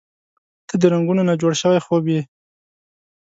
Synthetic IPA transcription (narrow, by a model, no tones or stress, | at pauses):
t̪əd̪əɾaŋɡunonad͡ʒoɽʃəwajxobje